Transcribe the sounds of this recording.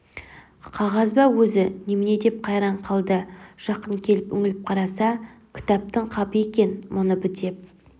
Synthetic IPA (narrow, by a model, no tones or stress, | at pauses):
qʰɑʁɑzbɑwɵzɪnemɪne̞d̪e̞p̚qʰɑjɾɑɴqʰɑlˠd̪əʒ̥ɑqəɴkʲʰe̞lɪpɵ̰ŋɪlɪp̚qʰɑɾɑsɑkʲʰɪ̥t̪ɑp̚t̪əɴqʰɑpəe̞kʲe̞nmʊnəbɪd̪e̞p̚